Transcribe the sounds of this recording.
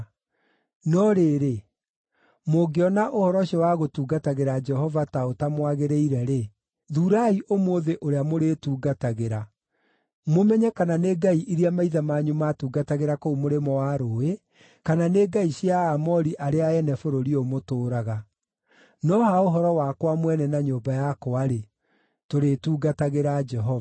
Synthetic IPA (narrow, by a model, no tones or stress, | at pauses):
nɔɾeɾe | moɡeɔnaʔohɔɾɔʃɔwaɣotuːɡataɣeɾad͡ʒɛhɔvataotamwaɣeɾeiɾɛɾe | ðuːɾaiʔomoːðeʔoɾeamoɾetuːɡataɣeɾa | momɛɲɛkananeːɡaiʔiɾiamaiðamaːɲumatuːɡataɣeɾakoumoɾemɔwaɾoːe | kananeːɡaiɕjaːmɔɾiʔaɾeaɛnɛfoɾoɾiomotoːɾaɣa | nɔhaoɦɔɾɔwakwamwɛnɛnaɲoːbajakoaɾe | toɾetuːɡataɣeɾad͡ʒɛɦɔva